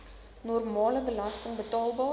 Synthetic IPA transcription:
nɔrmɑːləbəlɐstəŋbətɑːlˠbɑː

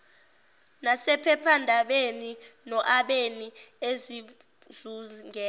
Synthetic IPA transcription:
nasɛpʰɛpʰandʱaɓeninɔʔaɓeniezi | zuŋɛː

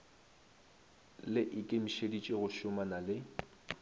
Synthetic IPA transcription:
lɪʔɪkʼem̩ʃedit͡ʃʼɪɣʊʃʊmanalɪ

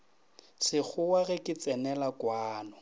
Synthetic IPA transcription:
sɪk͡xʰʊwaɣɛkʼɪt͡sʼɛnɛlakwaːnɔ

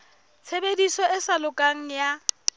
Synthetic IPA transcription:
t͡sʰebedisɔʔɪsalʊkʼaŋ̩ja

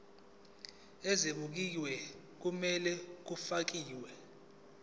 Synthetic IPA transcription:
ɛzeɓuk̬iwɛ | k̬umɛlɛk̬ufak̬iːwɛ

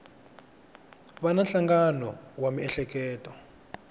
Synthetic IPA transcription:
βananɬaŋɡanɔwamiɛɬɛk̬ɛːtʼɔ

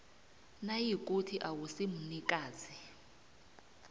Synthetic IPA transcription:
najik̬ʼutʰiʔawusim̩nikʼaːzi

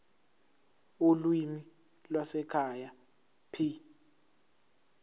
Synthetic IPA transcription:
ulwimi | lwasɛkʰaja | pʰi

